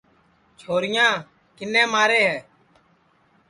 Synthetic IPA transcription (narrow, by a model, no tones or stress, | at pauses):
t͡ʃʰoːɾɪjãː | kɪnːɛ̃ːmaːɾeːɦɛː